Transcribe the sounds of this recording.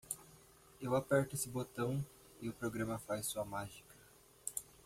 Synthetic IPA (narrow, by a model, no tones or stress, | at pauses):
ewapɛɾt̪ʊesɪbot̪ɐ̃w̃ | ɪʊpɾoɡɾɐ̃mɐfajssuɐmaʒikɐ̥